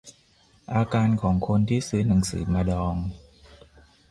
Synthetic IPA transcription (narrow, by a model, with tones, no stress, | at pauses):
ʔaː˧kaː˧nkʰɔː˩˦ŋkʰo˧nt̪ʰiː˥˩sɯː˧na˩˦ŋsɯ̰ː˩˦maː˧dɔː˧ŋ